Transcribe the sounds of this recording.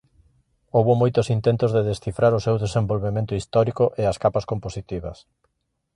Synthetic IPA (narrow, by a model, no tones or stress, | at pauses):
owβʊmojt̪ʊsint̪ent̪ʊzðeðesθifɾaɾʊsewðesembolβemẽnt̪ʊist̪ɔɾikʊʔeaskapaskomposit̪iβɐ̰s